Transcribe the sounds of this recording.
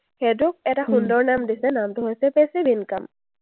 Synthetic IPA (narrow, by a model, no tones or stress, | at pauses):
xedʊk̚ɛtaxundɔɹnamdisɛnamtʊɦojsɛpɛsibinka̰m